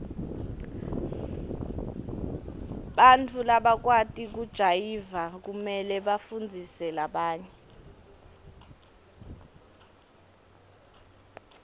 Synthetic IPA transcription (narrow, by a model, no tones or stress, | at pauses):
ɓantʰulaɓak̬watʼik̬ud̥ʒ̥ʱajivak̬umɛlɛɓafund͡zʱisɛlaɓaːɲɛ